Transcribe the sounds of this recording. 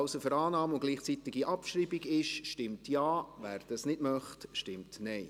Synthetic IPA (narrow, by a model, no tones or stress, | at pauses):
ʊsəfəɾɑːnɑːmʊɡ̥liːχt͡sit̪ɪɡiʔɑpʃɾiːbiɡɪʃʃtɪmtjɑːvæːɾd̥ɑsnɪdmœχtʃtɪmtnɛɪ